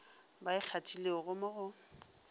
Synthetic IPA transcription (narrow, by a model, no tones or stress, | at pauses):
baɪk͡xʰatʰʼileʊɣʊmʊɣʊ